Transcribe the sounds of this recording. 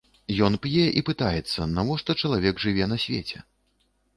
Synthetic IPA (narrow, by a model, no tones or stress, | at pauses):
jɔnpʲjɛʔipɨt̪ajɛt̪sːɐnavɔʂt̪ɔt͡ʂɐlˠavʲɛɡʐɨvʲɛnɐsʲvʲḛt͡sʲɛ̰